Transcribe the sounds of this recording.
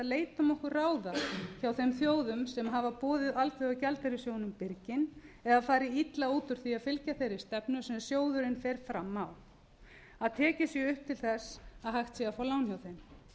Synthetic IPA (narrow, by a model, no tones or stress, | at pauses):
ðleːjt̪amɔhkʏɾraːwðaçawθejmθjoːwðʏmsɛmɦavapɔːðɪðalt̪ʰveacɛlt̪ɛɾɪsjoːwnʏmpɪɾcɪnɛðafaːɾɪit̪lauːt̪ʏɾ̥θiaðfɪlcaθejɾɪ̥st̪ɛpnʏsɛmsjoːwðʏɾɪnfɛɾ̥fɾamːaw | aðt̪ʰɛːcɪsjɛʏhp̚t̪ʰɪlθɛsaðɦaxt̪sjɛɣafoːlawnçjawθejm